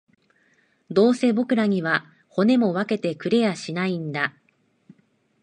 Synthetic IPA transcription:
d̪o̞ːse̞ːbo̞kɯ̟ɾaɲ̟iβa | ho̞ne̞mo̞βake̞t̪e̞kɯ̟ɾe̞jaɕinaĩnd̪a

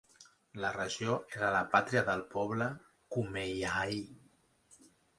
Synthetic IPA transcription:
lərəʒoeɾələpat̪ɾiəðəlˠpɔβ̞lə | kumejai

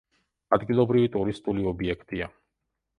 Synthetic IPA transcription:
ad̪ɡilˠɔbɾivit̪ʼuɾist̪ʼuliɔbiɛkʰt̪ʼia

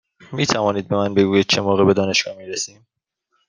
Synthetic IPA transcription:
miːt̪ʰævɒːniːd̪̚bemænbe̞ɡuːjiːd̪̥̚t͡ʃʰe̞moːɣebe̞d̪ɒːne̞ʃɡ̥ɒːhmiːɾesiːm

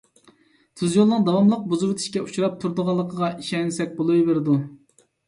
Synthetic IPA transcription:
t̪ʰyzjolˠnɨŋd̪ɑwɑmlˠəq̚buzuwt̪ʰi̥ʃkʲɛut͡ʃʰuɾɑp̚t̪ʰuɾd̪əʁɑlˠːəqʰəʁɑʔiʃɛnsɛk̚ʲbolˠujveɾɪd̪u

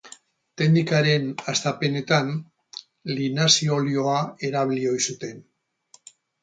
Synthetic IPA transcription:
t̪e̞nd̪ikaɾe̞nast̪ape̞ne̞t̪an | linasio̞lio̞ae̞ɾaβilio̞jsut̪e̞n

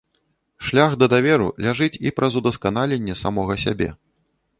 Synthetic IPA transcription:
ʂlʲaxd̪ɐd̪avʲɛɾṵlʲaʐɨt͡sʲipɾɐzud̪ɐskanalʲenʲːɛsamɔɣɐsʲa̰bʲɛ̰

